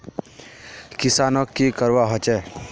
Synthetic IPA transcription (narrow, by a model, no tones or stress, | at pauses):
kɪsaːnɔkːikəɾʋaɦɔt͡ʃɛ